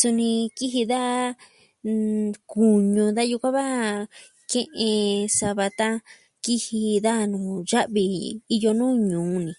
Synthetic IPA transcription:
su˧nĩ˧ki˦ɦi˧ða˦ | ku˨ɲũ˧d̪a˦ju˧kʷã˦βa˦ | kẽ˦˧ʔẽ˧sa˧βa˧t̪a˦ | ki˦hi˧ða˦˧nũ˨ʒa˦ʔβi˧i˧jo˧nũː˦ɲũː˨˦nĩ˧˨

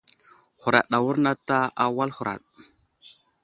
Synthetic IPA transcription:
hu˨ɾa̰˨ɗa˨wu˦ɾna˦ta˦a˦wa˦lhu˨ɾa̰˨ɗ

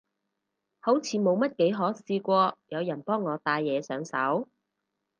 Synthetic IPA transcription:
ho˨˥wt͡sʰiː˨˧mo˨˧wmɐ˥t̚ke˨˥jɦɔː˨˥siː˧kʷɔː˧jɐ˨˧wjɐ˨˩npɔː˥ŋːɔː˨˧t̪aː˧jːɛː˨˧sœː˨˥ŋsɐ̰˨˥w

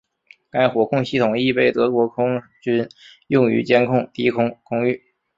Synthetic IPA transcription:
ka˥ɪxwɔ˨˩kʰʊ˥˧ŋɕi˥˩t̪ʰʊ˨˩ŋi˥˧pe˥˩ɪt̪ɤ˧˥kwɔ˧˥kʰʊ˥ŋt͡ɕy˥njʊ˥˩ŋy̰˧˥t͡ɕjɛ˥nkʰʊ˥˩ŋt̪i˥kʰʊ˥ŋkʰʊ˥ŋy˥˩

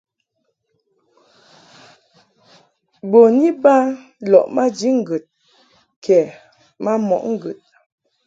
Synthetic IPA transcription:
bo˨ni˦ba˦ | lɔ˨ʔma˦d͡ʒi˨˦ŋ̩˦ɡə˨t̚ | kʰɛ˨ | ma˦mɔ̰˨ʔŋ̩˦˨ɡə˨t̚

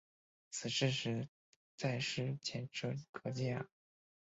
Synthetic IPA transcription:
t͡sʰɹ̩˨˩ʂɻ̩˥˧ʂɻ̩˧˥˩ | t͡sa˥˩ɪʂɻ̩˥t͡ɕʰjɛ˧˥nʈ͡ʂʰɤ˥kʰɤ˧˥t͡ɕɛ̰˥˩

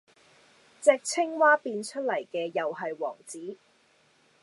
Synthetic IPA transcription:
t͡sɛː˧k̚t͡sʰɪ˥ŋwaː˥piː˧nt͡ʃʰɵ˥t̚lɐ˨˩jkɛː˧jɐ˨wɦɐ˨jwɔ̰ː˨˩ŋt͡siː˨˥

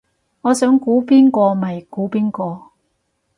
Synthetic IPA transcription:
ŋɔː˨˧sœː˨˥ŋkuː˨˥piː˥nkɔː˧mɐ˨˩jkuː˨˥piː˥nkɔː˧

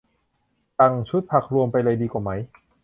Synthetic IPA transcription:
ta˧ŋt͡ɕʰu˦˥t̪̚pʰa˨˩k̚ɾu˧əmpa˧jla˧jdiː˧kwaː˨˩ma˦˥j

